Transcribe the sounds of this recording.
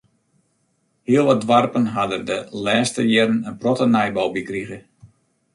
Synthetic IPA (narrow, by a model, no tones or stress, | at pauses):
hiəlˠʋɔdʋarpənɦadərdəlɛːstəjɪrənənprɔtənɛjbɔwbikriɣə